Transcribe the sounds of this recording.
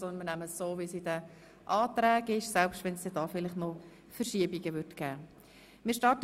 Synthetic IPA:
ɔnənmɪnæməsːoːvisidə | ʔɑːt̪ɾæːɡɪʃsɛlpʃtʋɛnsd̪ɛdɑːfɪlɪχnɔ | fəɾʃiəbiɡəʋʏɾtɡ̥æː | mɪːʃtɑːɾtə

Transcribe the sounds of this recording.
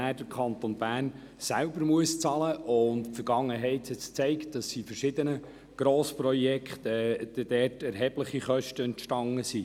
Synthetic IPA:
æːd̥əɾkʰɑnt̪onbæːrn | sælbəɾmuəst͡sɑləʔʊntpfəɾɡ̥ɑŋːəɦɛɪthɛt͡st͡sɛɪkt̚d̥ɑsːifəɾʃɪd̪ənə | ɡ̥ɾoːspɾɔjɛkχtɛd̥ɛd̥ɛːtɛɾɦɛb̥ləχiχœʃtəɛntʃtɑŋəsi

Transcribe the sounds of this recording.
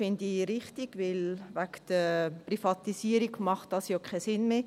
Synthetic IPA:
fɪndiɾɪχtɪɡ̥ʋɪlvækd̥əprifɑt̪isiːəɾiɡmɑχtd̥ɑsjokʰɛsɪnmeː

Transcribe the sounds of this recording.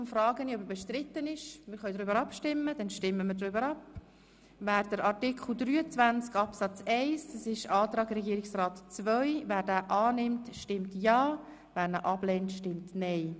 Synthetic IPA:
ʊmfrɑːɡəniɔbəbɛʃtɾɪtːənɪʃmɪːɾχœʏdɾʏbəɾɑpʃtɪmːəd̥ɛnʃtɪmːəmɪɾdɾʏbəɾɑp | væːɾd̥əɾɑrtɪkχl̩ˠd̪ɾyːət͡svænt͡skɑpsɑt͡sɛɪsdɑsɪʃɑːt̪rɑːɡɾɛɡiːɾɪksrɑːtt͡svœʏvæːɾdæːʔɑːnɪmtʃtɪmtjɑː | væːɾnəʔɑb̥leːntʃtɪmtnɛɪ

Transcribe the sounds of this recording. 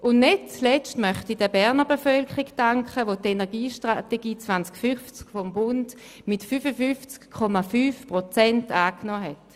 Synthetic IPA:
ʊnnet̚t͡slɛt͡stmœχtidəbɛʁnəbefœlkʁikdaŋkχəʋotenɛɐɡiːʃtʁateɡiːt͡svant͡skfyft͡skfɔmbʊnd | mitfyfəfyft͡skʰːɔmafyːfpʁɔt͡sɛntaːknɔːɦɛt

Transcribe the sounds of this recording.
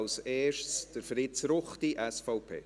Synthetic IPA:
lseːʃtsd̥əɾfɾɪsɾʊχtiʔɛsfɔʊpʰḛː

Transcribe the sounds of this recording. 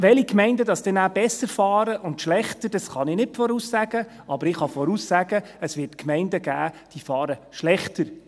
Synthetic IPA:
ʋɛlikmɛɪndədɑsd̥ɛnæːb̥ɛsəɾfɑːɾəʔʊntʃlɛχtədɑsχɑnɪnɪtfɔɾuːsːæɡ̥ə | ɑbəɾɪχɑfɔɾusːæɡ̥ə | əsʋɪːtkmɛɪndəɡ̥æːd̥iːfɑːɾəʃlɛχtəɾ

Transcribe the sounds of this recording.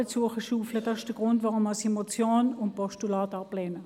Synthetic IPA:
ət͡suɐχəʃuːfləd̥ɑːsɪʃd̥əɡʁʊntʋɑʁʊmasemot͡sjoːnʊn̚pɔʃtulɑːtɑplɛːnə

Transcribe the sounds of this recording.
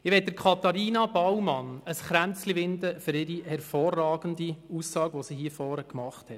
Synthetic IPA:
ɪʋɛt̚d̥əɾkʰɑt̪ɑɾiːnɑbɑwmɑnəsχɾænt͡slivɪndəfʏɾɪɾihɛɾfɔːrːɑːɡ̥ən̩diuːsːɑːɡʋɔsihiəfɔːɾəkmɑχthɛt

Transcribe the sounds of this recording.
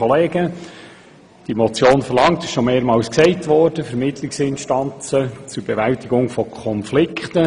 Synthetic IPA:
ɔleːɡ̥ə | d̥imɔt͡sjoːnfərlɑŋtɪʃʃomeːɾmɑːwsksɛɪtʋɔrd̥əfɛɾmɪtlɪksɪnʃtɑnt͡sət͡sʊɾb̥eʋæltɪɡʊŋfɔkʰɔnflɪkʰχtə

